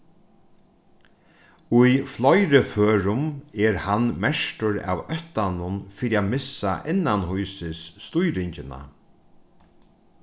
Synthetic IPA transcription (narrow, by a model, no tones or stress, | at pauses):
ʊjflɔjɾɪføːɾʊmɛɾhanmɛʂʈʊɾa̰ːwœt̪anʊnfiːɾiaːmɪsa̰ʔɪnːanɦujsɪsːt̪ujɾɪɲt͡ʃɪna̰